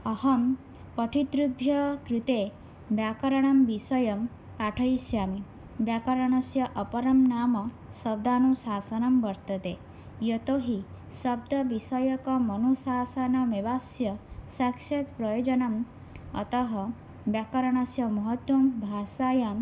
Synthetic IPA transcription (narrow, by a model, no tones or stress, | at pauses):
ɐɦɐm | pɔʈʰid̪ɾubʱjɐkɾut̪e | bjakɐɾɐɽ̃ɐmbisɐjɐm | aʈʰɐjsjami | bjakɐɾɐɽ̃ɔsjɐʔɔpɐɾɐmnaːmɔ | sɐb̚d̪aːnusaːsɐnɐmbɐɾt̪ɐt̪e | jɔt̪oɦi | sʌb̚d̪ɐbisɔjɔkɔmɔnusaːsɐnɔmeʋasjɐsakset̪pɾɔjod͡ʒɔnɐm | ʌ̰t̪ɔɦɐ | bjakɐɾɐɽ̃ɐsjɐmɔɦɔt̪wɐmbʱasajam